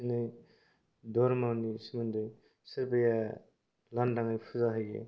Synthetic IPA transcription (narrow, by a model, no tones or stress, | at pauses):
inɯj | dɔɾmawnisimɯndɯj | sɯɾbeja | landaŋajpʰuzaɦɯjɡḛ